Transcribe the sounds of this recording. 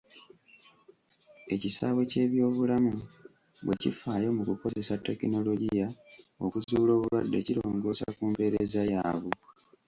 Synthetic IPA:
e̞cisaβwe̞ce̞ːβjo̞ːβulamu | βwe̞cifaːjo̞mukuko̞ze̞satːe̞kino̞lo̞ɟijao̞̰kuzuːlo̞ːβuβa̰dːe̞̰ciɾo̞ːŋɡo̞sa̰kuːmpe̞ɾe̞zajaːβu

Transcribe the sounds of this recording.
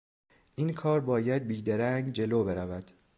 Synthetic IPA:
ʔiːnkʰɒːɾbɒːjæd̪̚biːd̪eɾæŋɡd͡ʒe̞loːbe̞ɾævæd̪̥

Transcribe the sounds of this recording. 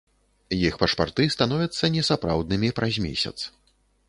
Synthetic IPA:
jixpɐʂpa̰rt̪ɨst̪anɔvʲɐt̪sːɐnʲɛsapɾawd̪̚nɨmʲipɾʔɐzʲmʲḛsʲɐ̰t̪s

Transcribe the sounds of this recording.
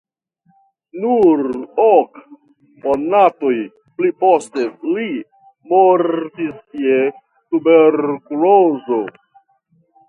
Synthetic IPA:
nuɾok | monato̞j | pliposte̞li | moɾtisie | tubeɾkulozo

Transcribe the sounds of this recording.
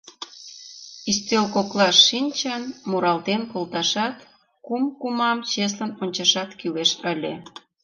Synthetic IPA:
ist̪ʲelkoklɑʃːinʲt͡ɕənmuɾɑlt̪enkolt̪ɑʃɑt̪ | kumkumɑmt͡ɕes̬lənonʲt͡ɕɑʃɑt̪kileʃəlʲe

